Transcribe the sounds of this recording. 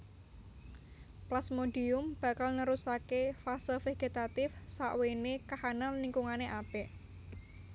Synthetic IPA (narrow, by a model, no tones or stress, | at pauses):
plasmoɖiʊmb̥a̤kalnəɾusakefasəlfeɡ̥et̪at̪ɪfsaʔwenekahanalniŋkuŋaneʔapɛʔ